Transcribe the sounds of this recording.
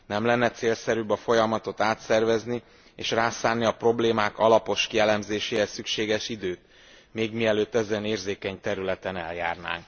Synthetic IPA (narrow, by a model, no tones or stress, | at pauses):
nɛmlɛnːɛt̪seːlsɛɾybɒfo̞jɒmɒt̪o̞t̪aːt̪sɛrvɛzni | eːʃraːsaːnːiɒpro̞bleːmaːkɒlɒpo̞ʃkijɛlɛmzeːʃeːɛsykʃeːɡɛʃid̪øːt̪ | meːɡmiɛløːt̪ːɛzɛneːrzeːkɛɲt̪ɛɾylɛt̪ɛnɛ̰lja̰ːrna̰ːŋk